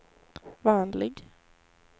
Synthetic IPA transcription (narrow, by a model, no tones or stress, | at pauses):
vɑːnlɪɡ